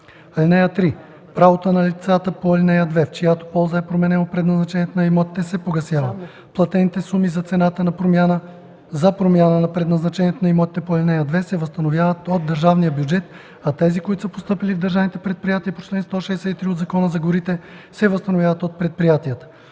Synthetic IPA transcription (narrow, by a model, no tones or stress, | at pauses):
ɐlʲnɛjət̪ɾi | pɾavot̪ənɐlit̪sat̪əpoɐlʲnɛjəd̪vɛft͡ʃijat̪o̥pɔlˠzəɛpɾomɛnɛnopɾɛd̪nɐznɐt͡ʃɛnijɛt̪onɐimɔt̪i̥t̪ɛsɛpoɡɐsjavə | plˠɐt̪ɛnit̪ɛsumizɐt̪sɛnat̪ənɐpɾomʲjanə | zɐpɾomʲjanənɐpɾɛd̪nɐznɐt͡ʃɛniɛt̪onɐimɔt̪i̥t̪ɛpoɐlʲnɛjəd̪vɛsɛvəst̪ɐnovjavət̪od̪ːəɾʒavnijəbjud͡ʒɛt̪ | ɐt̪ɛzikoit̪ʊsəpo̥st̪ɤpilivd̪əɾʒavnit̪ɛpɾɛt̪̚pɾijat̪iəpo̥t͡ʃlɛnst̪ɔʃɛːsɛit̪ɾiod̪zɐkɔnəzɐɡoɾit̪ɛsɛvəst̪ɐnovʲjavət̪ot̪̚pɾɛt̪̚pɾijat̪ijət̪ə̥